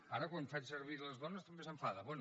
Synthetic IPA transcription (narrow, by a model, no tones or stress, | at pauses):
aɾəkwanfasəɾβ̞iɾləzðɔnəst̪əmbesəɱfaðəβwɛn